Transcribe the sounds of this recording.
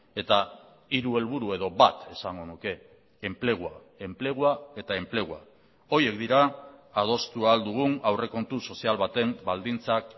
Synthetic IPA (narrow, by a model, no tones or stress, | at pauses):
e̞t̪a | iɾue̞lβuɾue̞ð̞o̞βat̪e̞saŋɡo̞nuke̞ː | mple̞ɣ̞ua | e̞mple̞ɣ̞uae̞t̪ae̞mple̞ɣ̞ua̰ | o̞je̞kd̪iɾaːð̞o̞st̪uald̪uɣ̞unawre̞ko̞nt̪uso̞sialβat̪e̞mbald̪int͡sak